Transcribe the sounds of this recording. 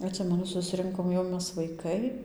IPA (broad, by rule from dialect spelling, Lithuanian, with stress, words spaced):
ɐtʲˈsʲɪmʲɛnʊ sʊsʲˈrʲɪŋkoːm jɛʊ ˈmʲɛs ʋɐɪˈkɐɪ